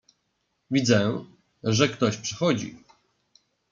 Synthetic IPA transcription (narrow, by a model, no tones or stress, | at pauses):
vʲid̪zɛ | ʐɛkt̪ɔɕpʂɛ̥xɔd͡ʑḭ